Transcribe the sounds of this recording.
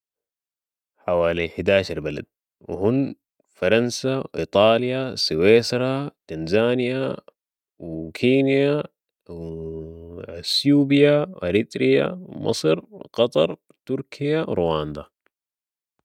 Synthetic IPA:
ħawaːliħɪd̪aːʃɑɾˤbala̰d̪̥̚ | w̰hunː | fɑɾˤɑnsawʔḭt̪ˤɑːlijasiweːsɾˤɑt̪anzaːnija | wkʰiːnija | w | sjuːbijawʔaɾit̪ɾija̰wmʔɑ̰sˤɨɾqɑt̪ˤɑ̰ɾˤ | t̪uɾkʰijawɾuwaːnd̪a

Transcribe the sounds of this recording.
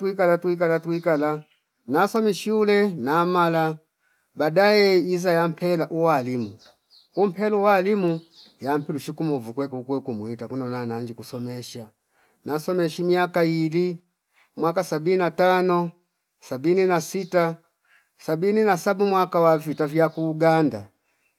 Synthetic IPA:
twikalatuik̬alatuikala | nasɔmɛʃiulɛnamala | badaɛizajam̩pʰɛlaʔuwalimu | um̩pɛluwalimu | jam̩pɛluʃikumɔvukwɛkukwɛkumuitakunɔnanaɲd͡ʒikusɔmɛʃa | nasɔmɛʃimiakaili | mwakasabininatanɔ | sabininasita | sabininasabumwakawavitavjakuːɡanda̰

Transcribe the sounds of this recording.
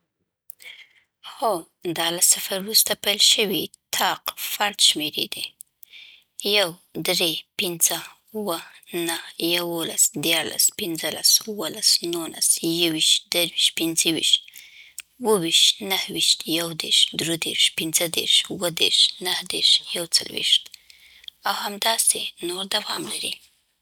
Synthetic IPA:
ho | d̪ɑlasafaɾwɾust̪apajlʃəwit̪ʰɑqfaɾd̪ʃmeɾḛd̪e | jawd̪ɾepɪnz̥ə | uwənahjawola̰sd̪jɑɾla̰spɪnzəla̰suwəlasnula̰sjawiʃt̪d̪̥əɾwiʃt̪̚pɪnzəwḭʃt̪̚ | wəwiʃt̪nəhwiʃt̪jawd̪eɾʃd̪ɾed̪ḛʃpɪnzəd̪ḛɾʃwəd̪ḛɾʃnəhd̪eɾʃjawt͡sa̰lwḭʃt̪ | awhamd̪ɑsenoɾd̪awɑmlaɾḭ

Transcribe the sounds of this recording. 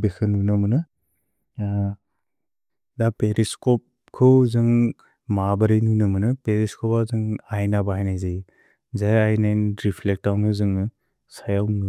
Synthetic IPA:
bekʰɯnunɐmɯnɯ | dapeɾiskɔp̚ | kʰɯwzɯŋ | mabɐɾijnunɯmɐnɯpeɾiskʰɔpazɯŋajnabaɦajnajzaj | zajajnanɾipʰlek̚tawnɯzɯŋɯ | sajawnɯ

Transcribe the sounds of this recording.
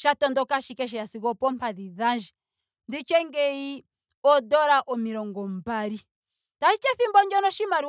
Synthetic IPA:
ʃatɔndɔkaʃikɛʃ̬ɛjasikɔpɔm̩paðiðand͡ʒi | ndit͡ʃɛŋɡɛi | ɔdɔɾaʔɔmiɾɔŋɡɔm̩baɾi | tait͡ʃɛθimbɔɲd͡ʒɔnɔʃimaɾi

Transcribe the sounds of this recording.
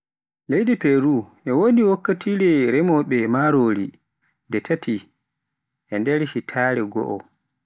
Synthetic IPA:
lejdipɛɾuʔɛwoniwokːatʰiɾɛɾɛmɔɓɛmaɾoːɾi | ndɛtʰatʰi | ʔɛndɛɾʃitʰaːɾɛɡɔ̰ʔɔ̰

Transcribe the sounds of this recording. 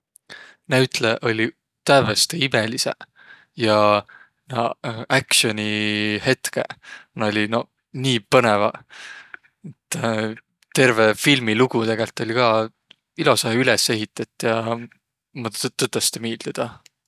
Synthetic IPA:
næyt̪leʔo̞lʲi | t̪ævest̪eimelise̞̰ | jɑ | nɑʔækʃio̞nʲihe̞t̪ke̞̰nɑolʲino̞ | niːpɤne̞vɑ | et̪ː | t̪ːe̞rve̞filmiluɡ̥ut̪e̞ɡ̥e̞lt̪ːˑo̞lʲikɑː | ilosɑɦeylese̞ɦit̪ːˑɑt̪ːˑjɑ | mɑt̪ːɤt̪ːˑɑst̪emiːld̪̥id̪̥ɑ

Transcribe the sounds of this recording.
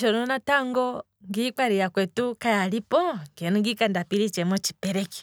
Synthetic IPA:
ʃɔnɔnataŋɡɔ | ŋɡik͡paɾijakwɛtukajalipɔkɛnuŋɡikandapiɾit͡ʃɛmɔt͡ʃi̥pɛɾɛki̥

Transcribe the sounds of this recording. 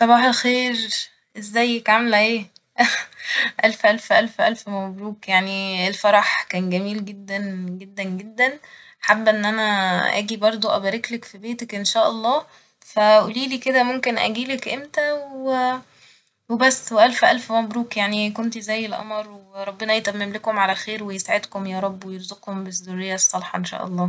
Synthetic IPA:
sˤɑbɑːħelxeːɾ | ʔezːæjːekʕamelʕeː | ʔælfʔælfʔælfʔælfmæbɾuːkjaʕnielfɑɾˤɑħkæːnɡæmiːlɡed̪ːænɡed̪ːænɡed̪ːæn | ħabːʔenːʔænæʔæ̰ːɡibɑɾˤd̪ˤoʔæbæːɾeklækfibeːt̪ækʔenʃæːʔɑlˤːɑː | fæʔṵːliːliːked̪æmomkenʔæ̰ɡiːlækʔemt̪æwe | webæsːweʔælfʔælfmæbɾuːkjaʕnikont̪izæjːelʔɑ̰mɾˤweɾˤɑbːenɑjet̪æmːemlekomʕalæxeːɾwejesaʕed̪komjæːɾˤɑbːwejeɾzoqhombezːorːejːæsˤːɑlħɑʔenʃæ̰ːʔɑ̰lˤːɑː

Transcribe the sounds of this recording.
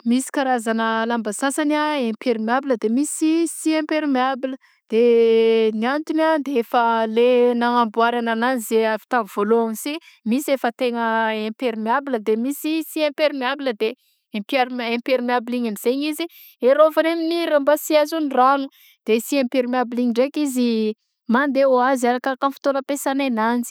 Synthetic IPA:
misi̥kaɾazanəlambasasanaẽmpeɾimiabiləd̪emisisiẽmpeɾimiabilə | d̪̥e | niant̪unad̪eefəlenaŋambuaɾanananizeavi̥t̪amv̥oloamisi | misiefət̪eŋəẽmpeɾimiabiləd̪emisisiẽmpeɾimiabiləd̪e | ẽpaɾempeɾimiabiliɲamiz̥eɲizi | eɾovaneminiɾambasiazuniranu | d̪̥esiẽmpeɾimiabiliɲiɳɖ͡ʐekizi | mand̪eoaziaɾakakanfi̥t̪onəpesanenand͡zi̥

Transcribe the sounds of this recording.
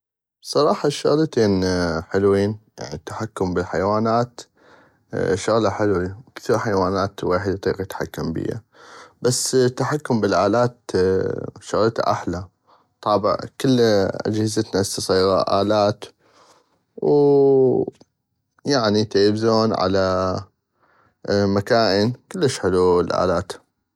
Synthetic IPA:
sˤɑɾˤɑːħɑʃʊɣlat̪eːnħɪlwiːnja̰ʕnit̪ːḁħakːʊmbɪlħajawaːnaːt̪ | ʃʊɣlaħɪlwikθiɾħajwaːnaːt̪weːħɪd̪t̪ˤiːqjɪt̪ħa̰kːambḭja̰ | bast̪ːaħakːʊmbɪlʔaːlaːt̪ | ʃʊɣlt̪a̰ʔa̰ħla | t̪ˤɑːbɪ̰ʕkəlːʔa̰d͡ʒhɪzat̪nast̪ɑsˤiːɣɑʔaːlaːt̪ | w | jaʕnit̪abzoːnʕa̰la | makaːʔənkɪlːəʃħɪluəlʔa̰ːlaːt̪

